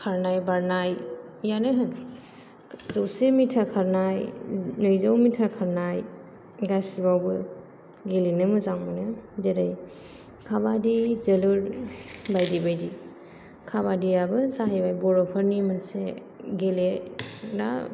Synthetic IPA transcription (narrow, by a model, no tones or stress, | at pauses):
kʰaɾnajbaɾnajjanajɦan | zawsemitʰakʰaɾnajnɔjzawmitʰakʰaɾnaj | ɡasibawbɯ | ɡelinɯmɯzaŋmanɯdeɾaj | kʰabadizeluɾbajdibajdi | kʰaβadijabɯsaɦajbajbɔɾɔpʰaɾnimɯnse | ɡeleda̰